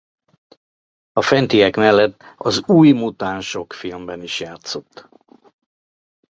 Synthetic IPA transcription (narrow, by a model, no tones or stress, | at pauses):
ɒfɛnt̪ijɛkmɛlːɛt̪ːɒzuːjmut̪aːnʃo̞kfilmbɛniʃjaːt̪so̞t̪ː